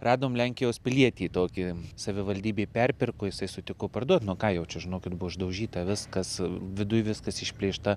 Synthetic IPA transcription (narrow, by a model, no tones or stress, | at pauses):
rɑːd̪oːmlʲɛŋʲkʲɪjoːspʲɪlʲiɛt̪ʲiːt̪oːkʲɪsɐʋʲɪʋɐlʲd̪ʲiːbʲeːpʲɛrʲpʲɪrkoːjɪsɐɪsʊt̪ʲɪkopɐrd̪uɔt̪nuɔkɑːjɛʊt͡ʃʲɛʒʲɪnoːkʲɪt̪bʊʋoʒd̪ɐʊʒʲiːt̪ɐʋʲɪskɐsʋʲɪd̪ʊjʋʲɪskɐsɪʃʲpʲlʲeːʃt̪ɐ